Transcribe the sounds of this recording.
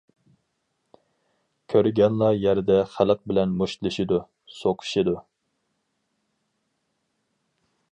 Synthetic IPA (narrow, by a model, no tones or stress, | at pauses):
kʲʰøɾɡʲɛnlˠɑjæɾd̪ɛχæləq̚bɪlɛnmoʃt̪lˠɨʃid̪u | soqʰʊ̥ʃid̪u